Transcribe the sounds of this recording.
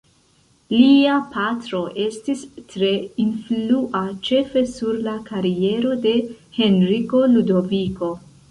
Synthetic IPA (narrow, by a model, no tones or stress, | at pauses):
liapʰatɾo̞ʔe̞stistɾe̞influʔat͡ʃe̞fe̞suɾlakaɾie̞ɾo̞de̞he̞nɾiko̞ludo̞viko̞